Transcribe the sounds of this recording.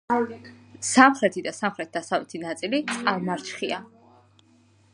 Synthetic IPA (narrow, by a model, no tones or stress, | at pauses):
samχɾɛt̪ʰid̪asamχɾɛt̪̚ʰd̪̥asavlɛt̪ʰinat̪sʼilit̪sʼqʼalˠmaɾt͡ʃχia